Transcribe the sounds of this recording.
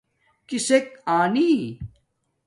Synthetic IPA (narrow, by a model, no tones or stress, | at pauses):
kisekaːniː